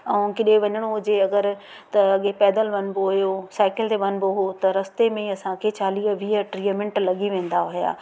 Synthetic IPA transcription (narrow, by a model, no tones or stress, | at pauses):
ɛ̃ːkɪɗeʋɐɲəɽ̃od͡ʑeɐɡəɾ | t̪ɐɐɠepɛːd̪əlʋɐnboɦʊjosaːɪkɪlt̪eʋɐnboɦot̪ɐɾɐst̪emẽɐsãkʰet͡ɕaːliːɦʋiːəʈɾiːmɪ̃ɳʈlɐɠiʋẽːn̆d̪aɦʊɦija̰ː